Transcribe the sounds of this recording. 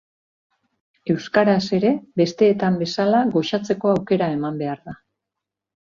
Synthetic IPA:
e̞wskaɾase̞ɾe̞be̞st̪e̞ːt̪ambe̞salaɣo̞ʃat͡se̞ko̞awke̞ɾae̞mambe̞aɾða

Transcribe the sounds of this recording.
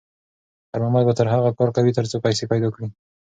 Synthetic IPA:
aɾmamad̪bat̪əɾɦaɣakɑɾkawit̪əɾt͡sopajsepajd̪ɑkɽi

